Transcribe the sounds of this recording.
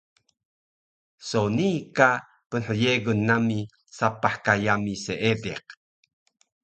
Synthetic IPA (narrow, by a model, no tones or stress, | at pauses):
sonika | pənħəjeɡunːami | sapaħkajamiseʔedḛq̚